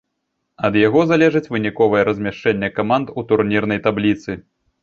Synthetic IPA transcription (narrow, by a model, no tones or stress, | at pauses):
ɐd̪jaɣɔzalʲɛʐɨt͡sʲvɨnʲikɔvɐjɛɾɐzʲmʲaʂt͡ʂɛnʲːɛkamant̪ut̪urnʲirn̪ɐjt̪ablʲit̪sɨ